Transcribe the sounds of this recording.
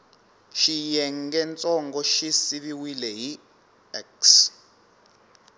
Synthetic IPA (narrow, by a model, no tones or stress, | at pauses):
ʃijɛŋ̩ɡɛnt͡sʼɔŋɡɔʃisiβiwilɛɦi | ɛks